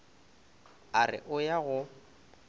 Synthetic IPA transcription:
arɪ̰ʔʊjaɣʊ

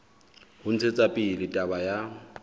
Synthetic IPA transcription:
hʊn̩t͡sʰet͡sʼapʼilɪtʼabaja

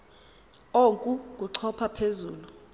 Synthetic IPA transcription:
oŋkʼuk̬ʼuǀʰɔpʰapʰezuːlu

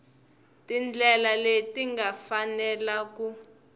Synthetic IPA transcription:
tind͡ɮɛlaletiŋɡafanɛlaku

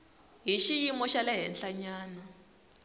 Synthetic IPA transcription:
ɦiʃijimɔʃalɛɦɛnɬaɲaːna

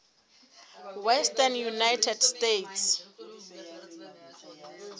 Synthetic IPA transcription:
wɛstanjunajtʰɛdstetʰs

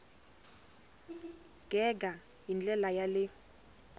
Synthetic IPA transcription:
ɡ̥ʱɛɡa | jind͡ɮʼɛlajalɪ

